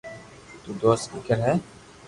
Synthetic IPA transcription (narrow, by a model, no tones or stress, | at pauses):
t̪uːd̪oːst̪fɪkəɾɦɛː